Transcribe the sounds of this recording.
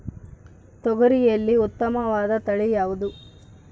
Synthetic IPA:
t̪ɔɡɐɾijɐlːiut̪ːɐmɐʋaːd̪ɐt̪ɐɭijaːʋud̪u

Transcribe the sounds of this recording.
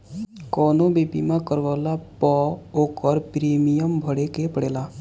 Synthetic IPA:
kɔnobepimãkəɾʋɔlapɔokəɾpɾemijəmbʱəɽekepəɽeːla

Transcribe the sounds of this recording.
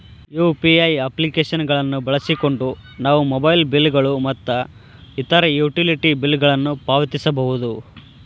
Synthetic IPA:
juːpiɐjɐplikeːʃɐnɡɐɭɐnːubɐɭɐsiko̞ɳɖu | naːʋumobɐjlbilːɡɐɭumɐt̪ːɐ | it̪ɐɾɐjuːʈiliʈibilːɡɐɭɐnːupaːʋɐt̪isɐbɐɦud̪u

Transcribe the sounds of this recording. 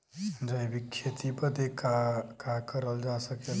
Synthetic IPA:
d͡ʒəjbikʰːjet̪ipəd̪ʱekakakəɾəld͡ʒasəke

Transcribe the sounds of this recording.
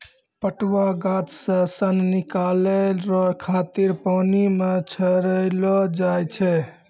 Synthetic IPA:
pəʈwaɡat̪sə̃sənnikalelɾɔɾkʰat̪iɾpɔːnimet͡ʃʰəɾəjlɔd͡ʒajt͡ʃʰɛ

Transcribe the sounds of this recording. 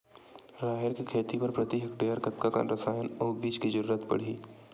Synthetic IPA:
ɾaːɦɪɾkekʰeːt̪ipɐɾpɾɐt̪iɦəkɖeːjəɾkɐt̪kaka̰ɾɐsaːjənɔːbiːt͡ʃkizɐɾuːɾət̪pɐ̰ɽ̤iː

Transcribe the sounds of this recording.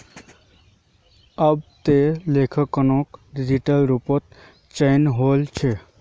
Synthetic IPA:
əbt̪elekʰəkːənõkɖid͡ʒiʈəlɾupət̪̚ | t͡ʃəɪnɦolt͡ʃʰe

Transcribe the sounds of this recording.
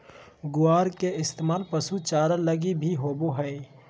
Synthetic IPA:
ɡʊaːɾkeɪst̪eːmaːlpɐsut͡ʃaːɾələɡibʱiɦoːboɦəe

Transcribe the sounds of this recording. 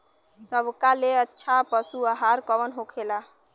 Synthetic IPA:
səbkaleətːʃʰapəsuəɦaɾkəʋənɦokʰela

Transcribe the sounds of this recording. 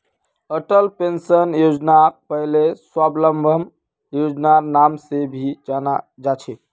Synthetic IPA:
əʈəlpensənjod͡ʒnapəɦleswabləmbʱəm | jod͡ʒnanamsebʱid͡ʒanad͡ʒat͡ʃʰɛ

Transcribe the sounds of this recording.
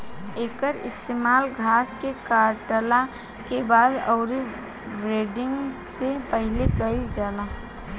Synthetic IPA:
eːkəɾɪ̰st̪eːmaːlɡʱaːskekaːɾʈəla | kebaːd̪əʊɾi | ɾeːɖɪ̃ŋɡsepəɦɪlekəid͡ʒaːla

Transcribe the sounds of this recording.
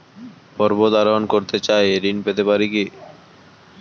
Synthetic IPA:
pɔɾbod̪aɾonkoɾt̪et͡ɕaeɾinpet̪epaɾiki

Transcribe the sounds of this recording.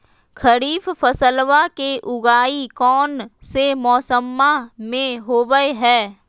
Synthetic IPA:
kʰəɾiːffəsəlʋakeʔʊɡaːikɔːnsemɔːsəmːamẽɦoːʋəeɦɛː

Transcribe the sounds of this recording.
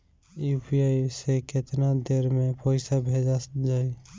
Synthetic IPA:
jupʰijaisekɪt̪nad̪eɾmẽpɔːɪsabʱed͡ʒad͡ʒaːi

